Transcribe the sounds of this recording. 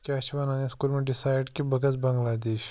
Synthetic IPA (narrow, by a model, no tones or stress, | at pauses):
kɐt͡ʃʰʋanaːneskuːlmẽɖɪsaːjɖkibɐɡəsbɐ̃ŋɡlaːd̪eːʃ